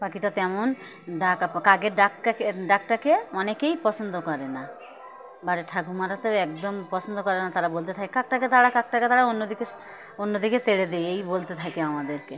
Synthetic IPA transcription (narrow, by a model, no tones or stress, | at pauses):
pakitat̪ɛmon | ɖakkaɡeɾɖakaeɖak̚ʈakeɔnekejpɔsʰond̪okɔɾena | baɾeʈʰaɡʱumaɾat̪eɛk̚d̪ompɔsʰond̪okɔɾenat̪aɾabolt̪et̪ʰakekak̚ʈaket̪aɽakak̚ʈaket̪aɽaonːod̪ike | onːod̪iket̪eɽed̪eejbolt̪et̪ʰakeamad̪eɾke